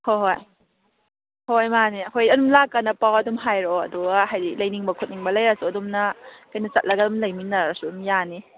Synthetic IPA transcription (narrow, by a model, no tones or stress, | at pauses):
hoɦoj | hojmaniɐhojɐdumlakːanɐpawɐdumɦajɾɔɐ̰duɡaɦajdilɐjniŋbɐkʰut̚niŋbɐlɐjɾasuɐdumnɐkajnɐt͡ʃɐt̚lʔɐɡɐdumlɐjminːɐɾasuumjani